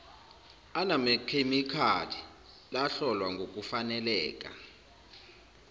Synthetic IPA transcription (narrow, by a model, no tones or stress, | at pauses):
anamɛkʰemikʰalʰi | laɬɔlwaŋɡʱok̬ʼufanɛlɛːkʼa̰